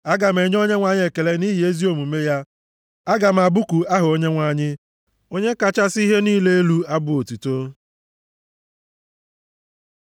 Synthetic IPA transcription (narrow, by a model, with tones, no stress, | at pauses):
a˦ɡa˨m̩e˨˦ɲ˦o˦ɲe˦ŋʷa˨ɲɪ˦e˨ke˨le˦ni˦ɦi˨e˦zi˦o˨mu˨˦me˦ja˦ | a˦ɡa˨m̩˨a˨bʊ˦ku˨a˦ɦʊ˨o˦ɲe˦ŋʷa˨ɲɪ˦ | o˦ɲe˦ka˨t͡ʃa˦si˦ɦe˦niː˦le˦e˦lu˦a˦bʊ˦o˨tu˨to˦